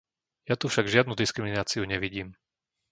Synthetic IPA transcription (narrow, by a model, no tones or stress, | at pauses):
jat̪ufʃaɡʒɪad̪nud̪iskɾiminaːt͡siuɲɛʋiɟiːm